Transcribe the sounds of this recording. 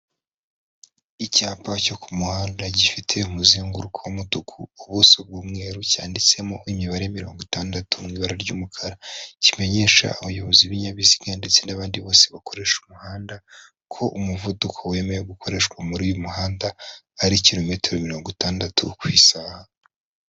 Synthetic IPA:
icaːpʰaco̞kumuhaːndaɟifitʰe̞umuziŋɡuɾukʰowumudukʰuːβusob̚ɡuːmŋe̞ːɾucaːndit͡se̞moʔimiβaɾejamiɾo̞ːŋɡotaːndatumŋiːβaɾaɾɟṵːmukʰaɾacime̞ɲe̞ːʃa̰uβajo̞βo̞ziβiɲaβiziɡandet͡se̞naβaːndiβo̞ːse̞βako̞ɾe̞ʃumuhaːnda | kʰo̞ʔumuvudukʰowe̞me̞jeɡuko̞ɾe̞ʃkwamuɾuːjomuhaːndaː | ɾiciɾo̞me̞teɾomiɾo̞ːŋɡotaːndatʰṵkwiːsaːha

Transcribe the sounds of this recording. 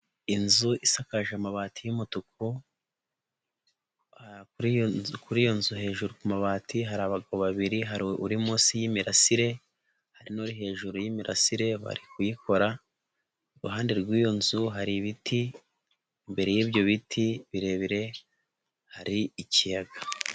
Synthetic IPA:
inzuʔisakaʒamaβaːtijumutuko | hakuɾkuɾijonzuɦe̞ːʒuɾukumaβaːtiɦaɾaβaɡaβoβaβiɾiɦaɾuɾimuːsijimiɾasiɾe̞ | haɾinoɾiɦe̞ːʒuɾujimiɾʔa̰siɾe̞βa̰ɾikujiko̞ɾa | oɾuɦaːndeɾɡwiːjo̞nzuɦaɾiβiti | mbe̞ɾe̞jiβjo̞βitʰiβiɾe̞ːβiɾe̞ | haɾiicijaɡa

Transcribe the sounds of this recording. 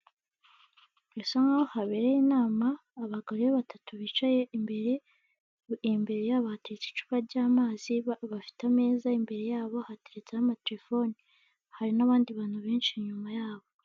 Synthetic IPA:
esoŋaohaβe̞ːɾejinaːmaːβaɡaɾoβeβatʰatuβiːt͡ʃaje̞imbe̞ɾe̞ | mbe̞ɾe̞jaβahateɾet͡si̥t͡ʃu̥βaɾɟaːmaːziβafi̥tame̞ːzaimbe̞ɾe̞jaːβo̞hateɾet͡sanamateɾefo̞ni | haɾinaβaːndiβaːn̥huβe̞ːnt͡ʃiɲumajaːβo

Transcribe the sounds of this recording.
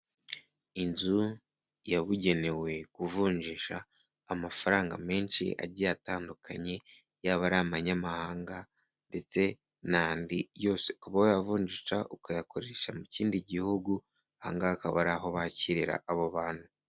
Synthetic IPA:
inzu | jaβuɟe̞ne̞we̞kuvuːɲʒiʃaː | mafaɾaːŋɡa̰me̞ːnʃḭa̰ɾɟijataːndukʰaɲe̞ | jaβaɾaːmaɲamahaːŋɡa | nde̞t͡se̞ | naːndijo̞ːse̞kuβawojavuːɲd͡ʒiʃa̰ʔukajako̞ɾe̞ʃamuciːndiɟihuɡu | ha̰ŋɡakaβa̰ɾaɦo̞βaciɾiɾa̰ːβoβaːn̥hu

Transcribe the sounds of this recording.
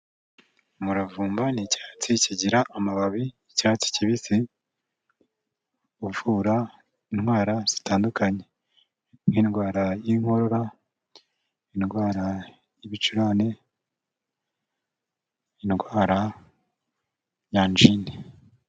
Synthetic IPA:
muɾavuːmbanicḁːt͡siciɟiɾaʔːmaβaβi | caːt͡si̥ciβisi | uvuɾa | inŋwaːɾaz̥i̥taːndukaɲe̞ | ninɡwaːɾajiŋ̥ho̞ɾo̞ɾa | inɡwaːɾa | jiβit͡ʃuɾane | inɡwaːɾa | jaːnd͡ʒine

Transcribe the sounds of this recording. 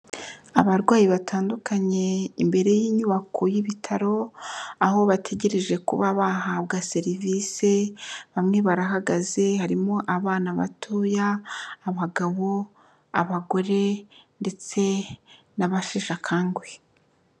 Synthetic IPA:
aβaɾɡwaːjiβatʰaːndukaɲe̞imbe̞ɾe̞jiːɲuβakʰojiβitʰaɾo̞aɦo̞βatʰe̞ɟe̞ɾe̞ʒe̞kṵβaβaɦaβɡaːse̞ɾiviːse̞βamŋeβaɾaɦaɡaze̞haɾimo̞ʔaβaːnaβa̰tʰoːjaːβaɡaβo̞ | aβaɡo̞ɾe̞nde̞t͡se̞ | naβaʃeʃakʰaːŋɡwe̞

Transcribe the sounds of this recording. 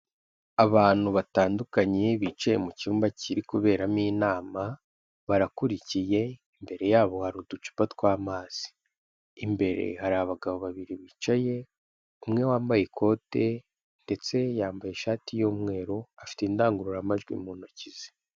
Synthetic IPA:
aβaːn̥huβataːndukaɲe̞βit͡ʃajemucuːmbaciɾikuβe̞ːɾamiːnaːma | βaɾakuɾicije̞imbe̞ɾe̞jaːβo̞haɾudut͡ʃi̥patwaːmaːz̥i̥ː | mbe̞ɾe̞̰haɾaβaɡaβo̞βaβiɾiβiːt͡ʃaje̞ | umŋe̞waːmbajekʰo̞ːte̞ | nde̞t͡se̞jaːmbajeʃaːtijoːmŋe̞ːɾo̞afi̥teːndaːŋɡuɾuɾamaʒɡwḭmuːnocize̥

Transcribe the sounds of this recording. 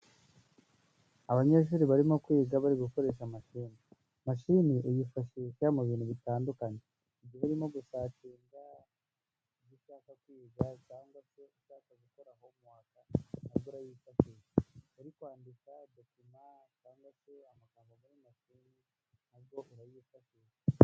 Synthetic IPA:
aβaɲe̞ʃ̬uɾiβaɾimo̞kwiːɡaβaɾiɡuko̞ɾe̞ːʃamaʃiːni | maʃiːniʔejifaʃekamuβiːn̤huβitaːndukaɲe̞ | iɟiheɾimo̞ɡusat͡ʃiːŋɡa | iɟiʃaːkakwiːɡat͡ʃaːŋɡase̞iʃaːkaɡuko̞ɾaɦo̞mwaːkanaɾɡoɾajiːfat͡ʃijeeɾikwaːndikadokinat͡ʃaːŋɡwaseamakamɡaɡaɾimaʃiːni | naɾɡo̞ʔuɾajifaʃie

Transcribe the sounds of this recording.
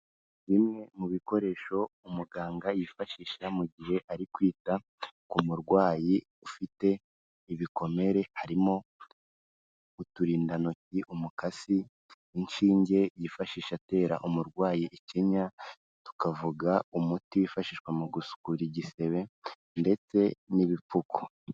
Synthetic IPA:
βimŋe̞muβiko̞ɾe̞ʃo̞umuɡaːŋɡajifaʃiːʃamuɟihe̞ʔaɾikwiːta | kumuɾɡwaːji | ufite̞ | iβiko̞me̞ɾe̞haɾimo̞ | utuɾiːndanociʔumukasi | inʃiːɲɟe̞jifaʃiːʃate̞ːɾa̰ʔumuɾɡwaːjiʔeceɲa | tu̥kavuɡaumutiwifaʃiːʃkwamuɡusu̥kuɾiɟise̞βe̞ | nde̞t͡se̞niβipuko̥

